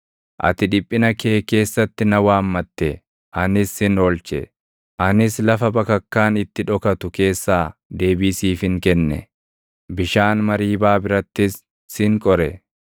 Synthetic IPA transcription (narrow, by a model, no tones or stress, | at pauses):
ʔɐ̰t̪ɪᶑɪpʼːɪnɐke̞ːke̞ːsːɐt̪ːɪnɐwaːmːɐt̪ːɛ | ʔɐnɪsɪnoːlt͡ʃɛ̰ | ʔɐnɪslɐfɐbɐkɐkːaːnɪt̪ːɪᶑɔkɐt̪ʊke̞ːsːaːd̪e̞ːbiːsiːfhɪŋkɛnːɛ̰ | bɪʃaːnmɐɾiːbaːbɪɾɐt̪ːɪsː | ɪŋkʼɔɾɛ